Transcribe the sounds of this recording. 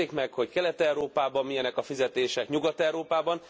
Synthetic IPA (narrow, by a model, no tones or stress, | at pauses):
eːkmɛkho̞ckɛlɛt̪ɛwɾoːpaːbɒmmːijɛnɛkɒfizɛt̪eːʃɛkɲuɡɒt̪ɛwɾoːpaːbɒn